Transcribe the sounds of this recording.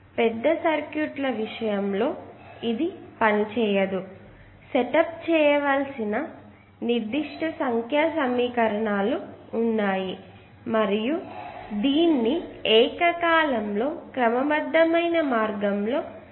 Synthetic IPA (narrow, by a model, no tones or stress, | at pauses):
pɛd̪ːɐsɐɾkjuʈlɐʋiʂɐjɐmlo̞ːid̪ipɐnit͡ʃɛːjɐd̪u | sɛʈɐp̚t͡ʃɛːjɐʋaːlsinɐ | niɾd̪iʂʈɐsɐŋkʰjaːsɐmːiːkɐɾɐɳaːluːnːaːji | mɐɾijud̪iːnːiɛːkɐkaːlɐmlo̞ːkɾɐmɐbɐd̪ːɐmɐjnɐmaːɾɡɐmlo̞ː